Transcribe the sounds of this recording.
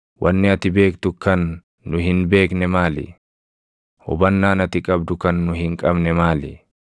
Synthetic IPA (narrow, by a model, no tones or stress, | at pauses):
wʔɐnːɪɐt̪ɪbe̞ːkt̪ʊkɐnː | ʊhɪnbe̞ːknɛmaːlɪ̰ | hɔ̰bɐnːaːnɐt̪ɪkʼɐbd̪ʊkɐnːʊhɪŋkʼɐbnɛmaːlɪ̰